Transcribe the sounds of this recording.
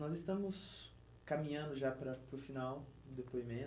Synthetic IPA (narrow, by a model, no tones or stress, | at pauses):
nɔzɪst̪ɐ̃mʊs | kamĩɲɐ̃nd̪ʊʒapɾɐpɾʊfinawd̪epoimẽ